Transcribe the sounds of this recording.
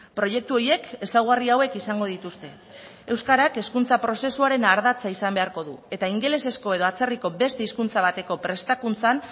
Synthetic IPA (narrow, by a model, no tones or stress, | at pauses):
pɾo̞je̞k̚t̪uo̞je̞ke̞sawɣ̞ariawe̞kisaŋɡo̞ð̞it̪ust̪e̞ | ewskaɾake̞skunt͡sapɾo̞se̞suaɾe̞naɾðat͡saisambe̞aɾko̞ðue̞t̪aiŋɡe̞le̞se̞sko̞e̞ð̞o̞at͡se̞riko̞be̞st̪e̞iskunt͡saβ̞at̪e̞ko̞pɾe̞st̪akunt͡san